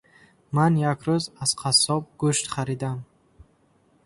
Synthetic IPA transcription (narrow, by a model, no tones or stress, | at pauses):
manjakɾuzaz̥qʰasɔb̚ɡuʃt̪χaɾid̪am